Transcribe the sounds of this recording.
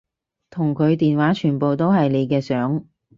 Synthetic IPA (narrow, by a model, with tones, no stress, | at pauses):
t̪ʰʊ˨˩ŋkʰɵ˨˧ɥt̪iː˨nwaː˨˥t͡ʃʰyː˨˩npo˨wt̪o˥whɐ˨jle˨˧jkɛː˧sœː˨˥ŋ